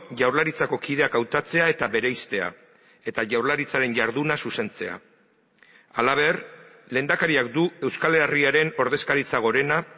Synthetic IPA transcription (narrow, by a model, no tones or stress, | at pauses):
ʝawɾlaɾit͡sako̞kið̞e̞akawt̪at͡se̞ae̞t̪aβe̞ɾe̞jst̪e̞a̰ | e̞t̪aʝawɾlaɾit͡saɾe̞nʝaɾð̞unasuse̞nt͡se̞̰a̰ | alaβ̞e̞r | le̞ːnd̪akaɾiak̚d̪ue̞wskaleariaɾe̞no̞ɾðe̞skaɾit͡saɣ̞o̞ɾe̞na